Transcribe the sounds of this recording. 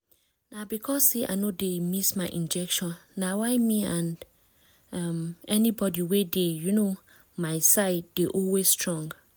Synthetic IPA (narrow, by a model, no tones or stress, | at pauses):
nabikʰɔsːeʔa̰ɪnodemismaɪʔĩnd͡ʒɛkʃɔ̃nːawaɪmiãn | amɛnibɔdiwedejuno | maɪsaɪd̥eʔɔlwesstɹɔ̃ŋɡ